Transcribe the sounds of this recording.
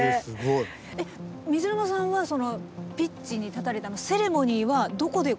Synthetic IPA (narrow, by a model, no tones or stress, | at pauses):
sɨɡoi | emʲizɨɾɯnosãɰ̃βaso̞no̞pʲit͡ɕiɲ̟it̪at̪aɾe̞t̪anose̞ɾe̞mo̞ɲ̟iːβad̪o̞ko̞d̪e̞